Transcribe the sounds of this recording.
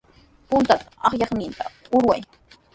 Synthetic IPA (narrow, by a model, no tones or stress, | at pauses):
pʊnt̪at̪ḁɑχjɑχnɪnt̪a̰ʊɾwaj